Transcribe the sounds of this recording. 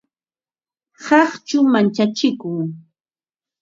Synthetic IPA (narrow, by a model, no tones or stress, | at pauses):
hɑχt͡ʃʊmant͡ʃat͡ʃɪkʊŋ